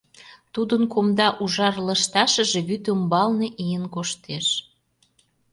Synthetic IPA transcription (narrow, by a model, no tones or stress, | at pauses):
t̪ud̪ənkomd̪ɑʔuʒɑrləʃt̪ɑʃə̆ʒeβyt̪əmbɑlneʔijənkoʃt̪eʃ